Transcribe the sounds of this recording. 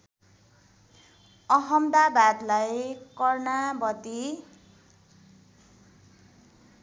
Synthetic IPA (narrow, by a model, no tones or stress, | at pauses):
ʌɦʌmd̪abad̪lajkʌrnabʌd̪i